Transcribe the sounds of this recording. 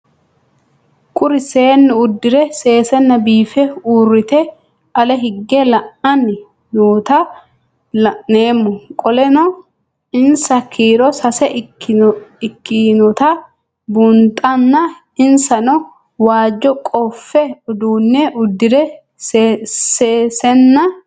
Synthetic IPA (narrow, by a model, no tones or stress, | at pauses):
kʼʊɾɪseːnːɪʊd̪ːɪɾɛse̞ːsɛnːɐbiːfɛuːrːɪt̪ɛ | ʔɐlɛɦɪɡːɛlɐʔɐnːɪ | noːt̪ɐ | lɐʔne̞ːmːʊkʼɔlɛnɔ | ɪnsɐkʰiːɾɔsɐsɛ | ɪkːɪnɔt̪ɐ | bʊnt̪ʼɐnːɐ | ɪnsɐnɔ | waːd͡ʒːɔkʼɔfːɛʊd̪uːnːɛʔʊd̪ːɪɾɛ | sseːsɛnːɐ